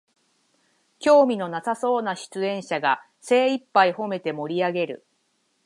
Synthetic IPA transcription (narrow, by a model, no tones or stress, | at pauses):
kʲo̞ːmʲino̞nasaso̞ːnaɕi̥t͡sɨẽ̞ɰ̃ɕaɡa | se̞ːipːaiho̞me̞t̪e̞mo̞ɾʲiaɡe̞ɾɯ̟̰